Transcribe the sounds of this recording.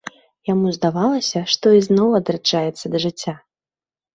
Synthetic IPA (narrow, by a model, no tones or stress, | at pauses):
jamuzd̪avalˠɐsʲɐʂt̪ɔiznɔwɐd̪ɾat͡ʂːajɛt̪sːɐd̪ɐʐɨt͡sʲːa